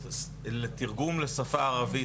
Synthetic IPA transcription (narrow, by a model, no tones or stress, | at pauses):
let̪iʁɡumlesafaːʁavi